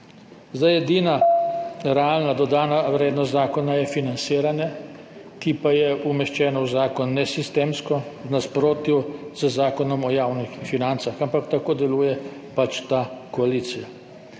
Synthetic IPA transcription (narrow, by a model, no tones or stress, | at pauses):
zd̪ajɛd̪iːna | ɾɛalnad̪ɔd̪aːnaʋɾeːd̪nɔst̪zaːkɔnajɛfinant̪siːɾanjɛ | kipajɛumɛʃt͡ʃɛːnɔwzaːkɔnːɛsist̪eːmskɔwnaspɾoːt̪juzəzaːkɔnɔmɔjaːwnixfinant̪saxampakt̪akoːd̪ɛluːjɛ | pat͡ʃt̪akɔaliːt̪sija